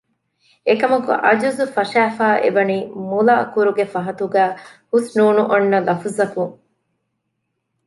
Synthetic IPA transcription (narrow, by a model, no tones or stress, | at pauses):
ekɐmɐkṵʔɐd͡ʒuzufɐʃæːfaːʔḛbɐniːmulaːkuɾuɡefɐɦɐt̪uɡæːhusnuːnuʔɐnːɐlɐfuzɐkuŋ